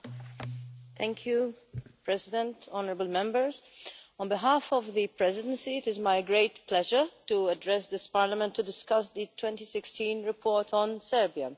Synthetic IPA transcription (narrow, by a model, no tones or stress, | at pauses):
t̪ʰæ̃ŋkʰju | pɹɛzɪdɛ̃ntɔnəɹəbəl̩mɛ̃mbə˞zɔ̃nbɪɦafɔvðɨpɹɛzɪdə̃nsiɪtɪzmaɪɡɹeɪtpʰlɛʒə˞tuədɹɛsd̪ɪspaːɹlamɛ̃ntːudɪskʌsd̪ɨtʰwɛ̃ntisɪkstĩnɹɨpʰɔːɹtʰɔ̃nsɛɹbia